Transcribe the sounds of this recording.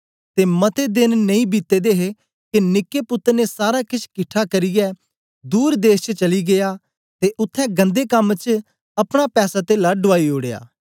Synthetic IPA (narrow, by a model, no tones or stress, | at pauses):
t̪emɐt̪ed̪ɪnnɐĩbit̪ːed̪eːɦe | kenɪkːepʊt̪ːəɾnesaːɾakɪt͡ʃʰkɪʈʰakɐɾijɛː | d̪uːɾd̪eːst͡ʃət͡ʃɐliɡejaː | t̪eʔʊt̪ʰːɛ̃ɡɐ̃nd̪ekɐmt͡ʃ | ɐpɽ̃apɛːsat̪elaːɖʊaːioːɽeja̰ː